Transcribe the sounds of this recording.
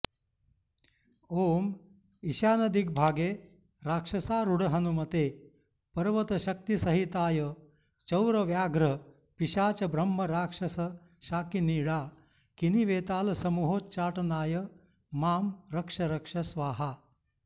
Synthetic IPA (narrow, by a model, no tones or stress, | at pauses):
oːm | iʃaːnɐd̪ik̚bʱaːɡeː | ɾaːkʂɐsaːɾuɽɐɦɐnumɐt̪eː | pɐɾʋɐt̪ɐʃɐk̚t̪isɐɦit̪aːjɐ | t͡ʃɐwɾɐʋjaːɡɾɐ | piʃaːt͡ʃɐbɾɐmːɐɾaːkʂɐsɐ | ʃaːkiniːɽaː | kiniʋeːt̪aːlɐsɐmuɦoːtt͡ʃaːʈɐnaːjɐ | maːmɾɐkʂɐɾɐkʂɐsʋaːɦa